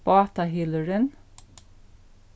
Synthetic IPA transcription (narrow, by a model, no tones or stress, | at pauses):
pɑːt̪ɑhɪləɹən